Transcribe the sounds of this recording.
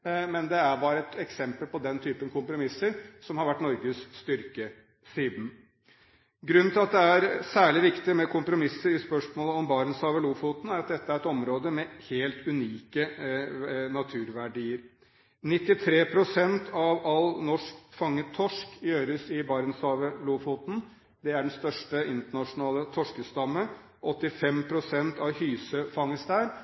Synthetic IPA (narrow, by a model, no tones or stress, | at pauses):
mɛnd̪ɛæbɑːɾɛt̪ɛksɛmpəlpɔd̪ɛnt̪ʰyːpənkʰʊmpɾʊmɪsːəɾsɔmhɑɾʋæʈːnɔɾɡəsːt̪ʏɾkə | siːd̪n̩ | ɡɾʉnːt̪ʰɪlɑt̪̚d̪ɛæɾsæːɭɪʋɪkt̪ɪmɛkʰʊmpɾʊmɪsːəɾɪspœʂmoːləɔmbɑːɾənsɑːʋəɭuːfut̪n̩æɾɑt̪̚d̪ɛt̪ːəæɾɛt̪ɔmɾoːd̪əmɛheːlt̪ʰʉniːkə | nɑt̪ʰʉːɾʋæɖiːəɾ | nɪt̪ːɪt̪ʰɾeːpʰɾʊsɛnt̪ʰɑʋɑlnɔʂkfɑŋːət̪ʰɔʂkɪjøːɾəsɪbɑːɾənsɑːʋəluːfuːt̪n̩ | d̪ɛæɖɛnst̪œʂʈəɪnt̪əɳɑʂʊnɑːlət̪ʰɔʂkəst̪ɑmːə | ʔɔt̪ːɪfɛmpʰɾʊsɛnt̪ɑʋhyːsəfɑŋːəst̪æːɾ